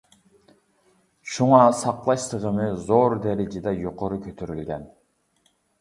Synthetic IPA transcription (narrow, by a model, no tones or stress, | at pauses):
ʃuɴɑːsɑqlˠɑʃt̪ɯʁɯmɯzoɾd̪eɾed͡ʒed̪ejoqoɾukʰøt̪ʰøɾylɡæn